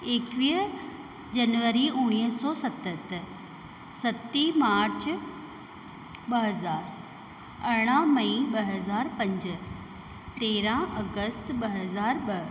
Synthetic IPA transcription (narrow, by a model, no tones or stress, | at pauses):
eːkʋiː | d͡ʑɐnʋəɾiʊɽ̃iːsɔːsɐt̪ət̪ə | sɐt̪ːimaːɾt͡ɕ | ɓɐɦɐzaːɾ | ɐɽ̃ãmɐ̃ĩɓɐɦɐzaːɾpɐ̃ɲd͡ʑ̆ | t̪eːɾãʔɐɡəst̪ɓɐɦɐzaːɾbɐ